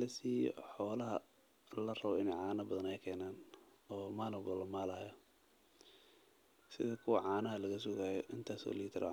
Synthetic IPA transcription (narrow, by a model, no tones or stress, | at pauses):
lɐsiːjɔ̰ħɔːlɐɦɐ | ɐlɐrɐβɔɪnɛjʕɑːnɐbɐðɐnɛjkʰɛːnaːn | ɔːmalɔbɔlːɐmaːlaːjɐ | sɪ̰ðɐkʰʊwɐʕɑːnɐɦɐlɐɣɐsʊɣaːjɔʔɪnt̪ʰaːsɔ̰liːt̪ʰɐɾʔɛ̰